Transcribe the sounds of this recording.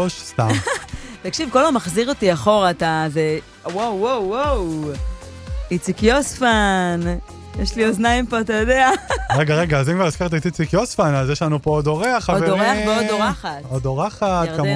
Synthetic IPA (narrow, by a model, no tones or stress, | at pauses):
oʃst̪a̰t̪akʃivkolomaχziʁotiaχo̞ʁataze | wowːowːow | it͡sikjosfan | jeʃlioznaimpoat̪ajodeaʁeɡaʁeɡaːzimkvaʁizkeʁt̪̬ait̪it͡sikjosfanazjeʃlanupoodoʁeaχaovdoʁeaχveodoʁaχatodoʁaχatka